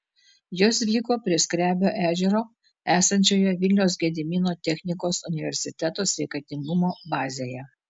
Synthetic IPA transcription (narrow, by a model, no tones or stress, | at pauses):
joːsʋʲiːkoːpʲɾʲɪsʲkɾʲæːbʲoːʔæːʒʲɛɾoː | æːsɐnʲt͡ʃʲoːjɛʋʲɪlʲnʲɛʊs̬ɡʲɛːd̪ʲɪmʲinoːt̪ʲɛxʲnʲɪkoːsʊnʲɪʋʲɛɾʲsʲɪt̪ʲɛt̪oːsʲʋʲɛɪkɐt̪ʲɪŋɡʊmoːbɑːzʲeːjɛ